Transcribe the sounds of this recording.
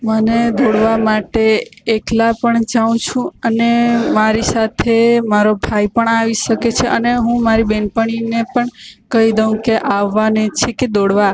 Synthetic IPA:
məned̪oɽʋamaʈeːklapəɳd͡ʒaʋũt͡ʃʰũənemaɾisat̪ʰemaɾobʱaipəɳaʋiʃəket͡ʃʰeʔəneɦũmaɾibeɳpəɳ̃inepəɳkəɦid̪əʋũkeʔaʋːanet͡ʃʰeked̪oɽʋa

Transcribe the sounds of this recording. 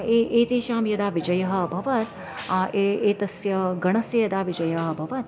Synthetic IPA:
eːeːt̪eːʃaːmjɐd̪aːʋid͡ʒɐjɐɦɐ̆bʱɐʋɐt̪ | ʔeeːt̪ɐsjɐɡɐɳɐsjɐjɐd̪aːʋid͡ʒɐjɐɦɐ̆bʱɐʋɐt̪

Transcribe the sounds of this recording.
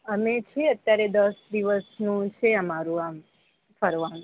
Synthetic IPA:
əmet͡ʃʰeət̪jaɾed̪əsd̪iʋəsnũt͡ʃʰeəmaɾũam | pʰəɾʋan

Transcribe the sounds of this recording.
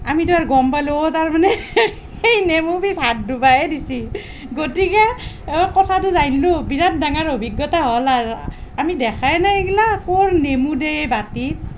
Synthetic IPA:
amiduaɹɡɔmpajlotaɹmanɛ | xejnemubisat̚dubaɛdisi | ɡotikɛ | kɔtʰat̬ʊzajnlobiɹat̚daŋaɹobʱiɡjɔtaɦɔlaɹamidɛkʰajnaɡilakoɹnemudebatit̚

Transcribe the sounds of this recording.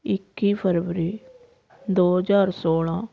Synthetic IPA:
ɪkːiːpʰəɾʋɾiː | d̪oːɦəd͡ʒaːɾsoːlãː

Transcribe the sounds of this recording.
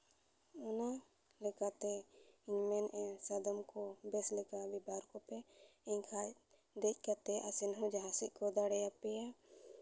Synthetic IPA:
ɔna | lɛkat̪ɛiɲmɛnɛ̃sad̪ɔmkɔbɛslɛkabibaɾkɔpɛɛ̃ɲkʰa | d̪ɛc̚ˀkat̪ɛʔasinɦũd͡ʒaɦãsiʔ̚kɔd̪aɽɛjapɛja

